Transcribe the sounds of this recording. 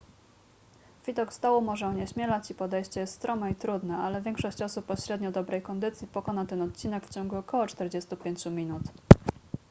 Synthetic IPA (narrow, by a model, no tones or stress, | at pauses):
vʲid̪ɔkst̪awɔmɔʐɛɔɲɛɕmʲjɛlat͡ɕipɔd̪ɛjɕt͡ɕɛjɛst̪st̪ɾɔmɛit̪ɾud̪nɛalɛvʲjɛŋkʂɔɕt͡ɕɔsupːɔɕɾɛd̪ɲɔd̪ɔbɾɛjkɔnd̪ɘt̪sʲipɔkɔnat̪ɛnɔt̪̚t͡ɕinɛkft͡ɕɔŋɡuɔkɔwɔt͡ʂt̪ɛɾd͡ʑɛst̪upʲjeɲt͡ɕumʲinut̪